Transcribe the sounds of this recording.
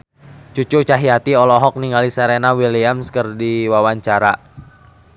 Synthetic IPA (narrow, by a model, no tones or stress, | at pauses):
t͡ʃut͡ʃut͡ʃaɦiat̪iɔlɔɦɔk̚niŋɡalisɛɾenawiliamskərdiwawaɲt͡ʃaɾa